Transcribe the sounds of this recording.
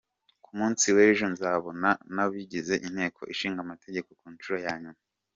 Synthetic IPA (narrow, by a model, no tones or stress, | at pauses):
kumuːnsiweɾeʒo̞nzaβo̞nanaβiɟize̞ʔinhe̞ːkʰo̞ʔiʃiːŋɡamate̞ɟe̞ko̞kuːnt͡ʃuɾojaːɲuma